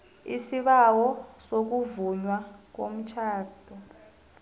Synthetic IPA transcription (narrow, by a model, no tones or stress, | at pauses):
isiɓawɔsok̬uvuɲwak̬om̩t͡ʃʰaːd̥ʰʱɔ